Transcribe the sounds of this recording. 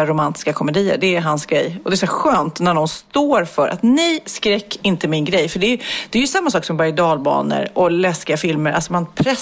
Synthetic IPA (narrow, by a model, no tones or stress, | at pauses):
aɾʊmant̪ɪ̥skakʰɔmɛd̪iːə̰ɖɛæɾɦansɡɾɛjːɔd̪ɛːsʊɧøːnt̪næɖɔnst̪oːɾfœɾʔa̰t̪nɛjskɾɛkːɪnt̪əmɪnɡɾɛjːfœɖɛjd̪̥ɛːjɵsamːasɑːksɔmbaɾd̪ɑːlbɑ̰ːnə̰ɾɔlɛskɪɡafɪlməɾʔa̰lsɔmanpʰɾɛ